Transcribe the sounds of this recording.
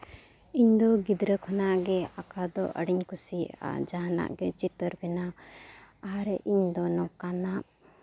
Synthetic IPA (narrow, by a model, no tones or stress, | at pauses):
iɲd̪ɔɡid̪ɾəkʰɔnaʔɡɛakad̪ɔʔə̰ɽiɲkusia̰ʔd͡ʒaɦana̰ʔɡɛt͡ʃit̪əɾbɛna | aɾɛʔiɲd̪ɔnɔkanaʔ